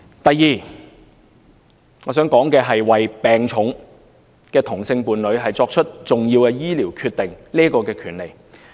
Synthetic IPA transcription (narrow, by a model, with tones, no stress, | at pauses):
t̪ɐ˨jːiː˨˩ | ŋɔː˨˧s̬œː˨˥ŋkɔː˨˥ŋkɛː˧ɦɐ˨jwɐ˨jpɛː˨ŋt͡ʃʰʊ˨˥ŋ | kɛː˧t̪ʰʊ˨˩ŋsɪ˧ŋpuː˨nlɵ˨˧ɥɦɐ˨jt͡sɔː˧k̚t͡ʃʰɵ˥t̚t͡sʊ˨ŋjiː˧wkɛː˧jiː˥liː˨˩wkʰyː˧t̪ːɪ˨ŋniː˥kɔː˧kɛː˧kʰyː˨˩nle˨˩j